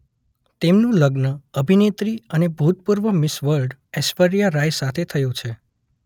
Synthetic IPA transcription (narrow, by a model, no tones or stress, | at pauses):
t̪emnũləɡnəəbʱinet̪ɾiənebʱut̪̚puɾʋəmɪsʋəɾɖɛsfəɾijaɾajsat̪ʰet̪ʰəjũt͡ʃʰe